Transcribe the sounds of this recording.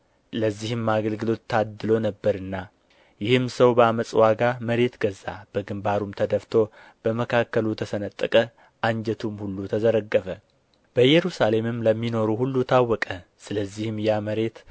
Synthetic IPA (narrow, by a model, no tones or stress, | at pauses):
ləzːihɨmaɡəlɡɨlo̞t̪ːad̪ɨlo̞nəbːəɾɨnːa | jɪhɨmsəwbəaməsʼwaɡaməɾe̞t̪ɡəza̰b̥əɡɨmbaɾumt̪ʰəd̪əft̪ʰo̞ | b̥əməkʰakːəlut̪ʰəsənət̪ʼːɨkʼə | ʔaɲd͡ʒɛt̪ʰumhulːut̪ʰəzəɾəɡːəfə | b̥əjɛɾusale̞mɨmləmːino̞ɾuhulːut̪ʰawːɔkʼəsɨləzːihɨmjaməɾe̞t̪